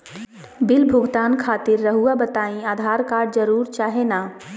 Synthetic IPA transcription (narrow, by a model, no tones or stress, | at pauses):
bɪlbʱʊɡt̪aːnkʰaːt̪ɪɾːəɦuabət̪aːĩaːd̪ʱaːɾkaːɾɖ̚d͡ʒəɾuːɾt͡ʃaːɦenaː